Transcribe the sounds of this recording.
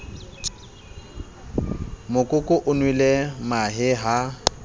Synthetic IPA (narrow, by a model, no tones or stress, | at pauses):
mʊkʼʊkʼʊʔʊnwilemaɦɪɦa